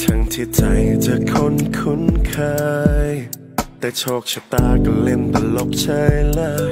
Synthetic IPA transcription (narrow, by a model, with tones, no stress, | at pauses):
t̪ʰa˧˥ŋt̪ʰiː˧˩t͡ɕa˧˩jt͡ɕa˧˩kʰo˧˥nkʰu˧˥nkʰaː˧j | t̪ɛː˨˩t͡ɕʰoː˧˩k̚t͡ɕʰa˧˩t̪aː˧˩kɔ˧˩le˧˩nt̪a˧lo˨˧˩k̚t͡ɕʰəː˧˥jla˧˥